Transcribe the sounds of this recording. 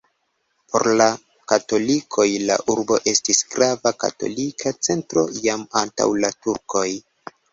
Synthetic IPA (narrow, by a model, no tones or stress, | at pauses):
pʰo̞̰ɾla | kato̞likʰo̞jla̰ʔuɾbo̞ʔe̞stisɡ̥ɾavaka̰to̞̰likʰat͡se̞ntɾo̞̰jamanta̰wlatuɾko̞j